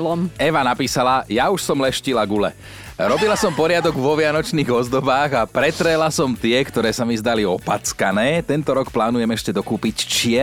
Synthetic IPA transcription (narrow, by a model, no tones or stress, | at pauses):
lɔmɛʋanapiːsalajauʃsɔmlɛʃcilaɡulɛ̰ | ɾɔbilasɔmpɔɾɪad̪ɔɡʋɔʋɪanɔt͡ʃniːɣɔzd̪ɔbaːɣapɾɛt̪ɾɛlasɔmt̪ɪɛkt̪ɔɾɛːsamizd̪aliɔpat͡skanɛːt̪ɛnt̪ɔɾɔkplaːnujɛmɛʃcɛd̪ɔkuːpict͡ʃɪɛ